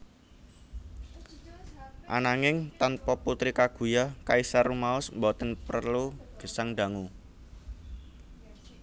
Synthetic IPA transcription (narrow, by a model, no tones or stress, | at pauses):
ʔa̰naŋɪŋt̪anpɔput̪ɾikaɡ̥ṳjakaisarumaʊsmbɔt̪ənpərluɡ̥ə̤saŋɖa̤ŋu